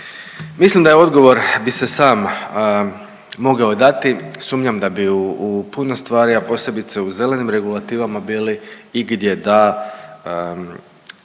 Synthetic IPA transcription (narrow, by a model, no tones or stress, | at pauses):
mislimd̪ajeo̞d̪ɡo̞ʋo̞ɾbise̞saːm | mo̞ɡao̞d̪at̪isuːmɲamd̪abiuupuno̞st̪ʋaːɾiapo̞ːse̞bit̪seuze̞le̞nimɾe̞ɡulˠat̪iːʋamabiːliiɡd̪je̞d̪a